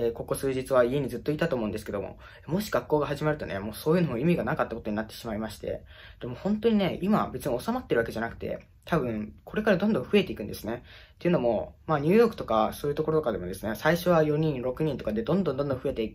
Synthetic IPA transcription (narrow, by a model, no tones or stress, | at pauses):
eːko̞kosɨːʑit͡sɨβaie̞ɲ̟id͡zɨt̪ːo̞it̪at̪oːmõ̟nd̪esɨ̥ke̞d̪o̞mo̞̰ | emo̞ɕi̥ɡakːo̞ːɡaɦaʑimaɾɯ̟t̪o̞̰ne̞mo̞ːso̞ːjɯ̟no̞mo̞imʲiɡanakat̪ːako̞t̪o̞ɲ̟inat̪ːe̞̥ɕimaimaɕi̥t̪e̞̰ | d̪̥e̞mo̞hõnt̪o̞ɲ̟ine̞ʔima̰be̞t͡sɨɲ̟io̞samat̪ːe̞ɾɯ̟βakeanakɯ̟̥t̪e̞̰ | t̪abɯ̟̃ɴkʰo̞ɾe̞kaɾad̪õnd̪õ̞ɸɯ̟e̞t̪e̞ikɯ̟̃nd̪e̞sɨne̞t̪ːeiɯ̟no̞mo̞maːɲ̟ʲɨ̟ːjo̞ːkɯ̟̥t̪o̞kaso̞ːjɯ̟t̪o̞ko̞ɾo̞t̪o̞kad̪e̞mo̞d̪e̞sɨnesaiɕo̞βajo̞ɲ̟ĩnɾo̞kɯ̟ɲ̟ĩnt̪o̞kad̪e̞d̪õ̞nd̪ond̪ond̪õɸɯ̟et̪e̞k